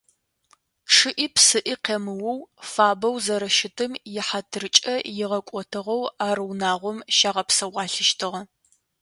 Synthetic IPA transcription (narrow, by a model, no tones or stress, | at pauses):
ʂɨʔiːpsɨʔiːqeːmɨwɐwfaːbɐwzɐɾɐʃɪtʰɨmjɪħatʰɨrɨt͡ʃʼɐjɪʁɐkʷʼɔtʰɨʁɐwaːɾɨwnaːʁʷɔmʃaːʁɐpsɐʁʷʼɑːɬɨʃtʰɨʁɐ